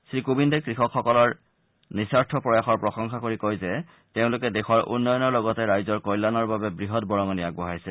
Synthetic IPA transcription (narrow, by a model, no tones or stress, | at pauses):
sɹikobindɔkɹixɔkxːɔkɔlɔɹ | nisaɹtʰɔpɹɔjaxɔɹpɹɔxɔŋxakoɹikojzɛ | teʊ̃lʊkɛdexɔaɹʔṵnːɔjɔnɔɹlɔɡɔtɛɹajzɔɹkɔjlːanɔɹbabɛbɹiɦɔt̚bɔɹɔŋɔnijak̚bɔɦajsɛ